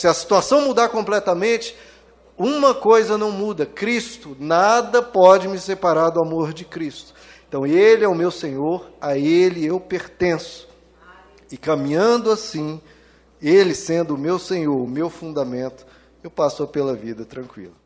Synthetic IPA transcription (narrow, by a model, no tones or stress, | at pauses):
sɪɐsi̥t̪uasɐ̃w̃mud̪aɾkõplɛt̪ɐmẽt͡ʃɪ̥ | ũmɐkojzɐnɐ̃w̃mud̪ɐkɾist̪ʊnad̪ɐpɔd͡ʒɪmɪsepaɾaɾd̪ʊamoɾd͡ʒɪkɾist̪ʊ̥ | ẽt̪ɐ̃w̃elɪɛʊmewsẽɲoɾaelɪewpeɾt̪ẽsʊ̥ | ɪkɐmĩɲɐ̃d̪ʊasĩ | elɪsẽnd̪ʊːmewsẽɲoɾmewfũnd̪amẽnt̪ʊ̥ | ewpasʊɐpelɐvid̪ɐt̪ɾɐ̃ŋkwḭlɐ